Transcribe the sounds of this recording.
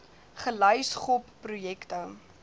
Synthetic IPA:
χəlɐjsχɔpː | rujɛktə

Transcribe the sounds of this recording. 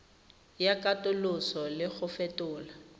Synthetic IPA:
jakʼatʼʊlʊsɔlɪɣʊfɛtʼʊːla

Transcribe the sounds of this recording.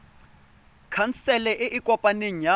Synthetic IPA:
kʰan̩sɛlɛʔɪʔikʼɔpʼaneɲ̩ja

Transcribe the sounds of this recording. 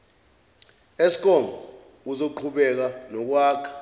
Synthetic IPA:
esi̥k̬ʼɔmbʱɔ | k̬uzoǃʰuɓɛk̬anɔk̬waːkʰḁ

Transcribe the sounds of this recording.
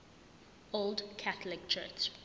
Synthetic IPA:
oldkʰaθəlɪk̚t͡ʃʰɜ̰ˑt͡ʃ

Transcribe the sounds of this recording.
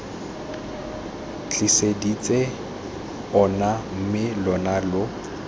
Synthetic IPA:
t͡ɬʼisedit͡sʼe | ɔnam̩mɪlɔnalʊ

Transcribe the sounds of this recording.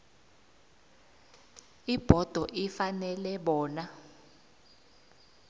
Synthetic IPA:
ib̥ʱɔd̥ʱɔʔifanɛlɛɓɔːna

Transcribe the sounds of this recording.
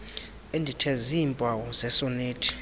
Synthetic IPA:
endʱitʰɛzimpʼawɔzɛsɔneːtʰʼi̥

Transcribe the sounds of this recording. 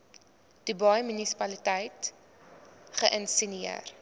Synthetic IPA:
d̥ubɐjmynisi̥pɐlitɛjt | χəʔənsiniə̰r

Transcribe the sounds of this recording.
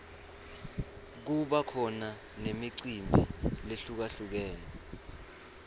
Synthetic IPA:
k̬uɓakʰɔna | nemiǀimbʱileɬuk̬aɬuk̬ɛːnɛ

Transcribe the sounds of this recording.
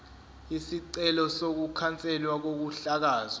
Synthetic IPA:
isiǀɛlɔsok̬ukʰant͡sʼɛlwak̬ok̬uɬak̬aːza

